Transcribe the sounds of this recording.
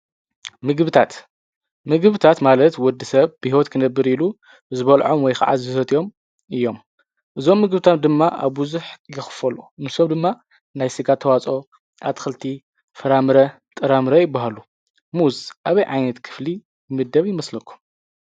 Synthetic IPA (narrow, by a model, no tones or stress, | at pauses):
mɨɡβɨt̪ʰat̪ | mɨɡɨβɨt̪ʰat̪malɐt̪wɔd̪ːisɐβbihiwot̪kʰɨnɐbːɨɾilu | zɨβɐlʕomwɔjxa̰ʕa̰zɨsɐt̪ʼijo̞m | ɨjːo̞m | ʔɨzo̞mːɨɡbɨt̪ʰat̪̚d̪ɨmːaʔa̰βbɨzuħjɪxfɐlunɨsomd̪ɨmːa | najsɨɡat̪ʰːɐwat͡sʼo̞ | ʔa̰t̪xɨlt̪ʰi | fɐɾamɨɾɐ | t̪ʼɨɾamɨɾɐjɪbːaɦalu | muzʔaβɐjʕajnɐt̪kʰɨ̥fli | bɨmɨd̪ːɐβjɪmɐslɐkʰːu̥m